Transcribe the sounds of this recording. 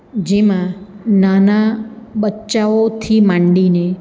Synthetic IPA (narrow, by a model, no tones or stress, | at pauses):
d͡ʒemã | nanaɓətːʃaot̪ʰimãɳɖine